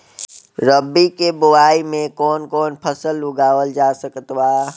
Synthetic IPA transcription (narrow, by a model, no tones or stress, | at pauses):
ɾəbːikebʊwaːimẽkɔːnkɔːnpʰəsəlːʊɡaːʋəld͡ʒaːsəkt̪waː